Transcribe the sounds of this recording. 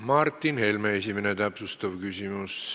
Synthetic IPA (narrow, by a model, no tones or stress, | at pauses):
mɑrt̪ːinhelmæesimænet̪æpsust̪ɑʋkysimys